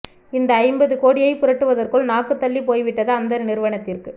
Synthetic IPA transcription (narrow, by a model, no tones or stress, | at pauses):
ɪnd̪ɐːɪmbɐðɯkoːɽɪjɐɪpʊrɐʈːɯʋɐðɐrkɯɭnaːkːɯt̪ːɐlːipoːjʋɪʈːɐðɯɐnd̪ɐnɪɾɯʋɐɳɐt̪ːɪrkɯ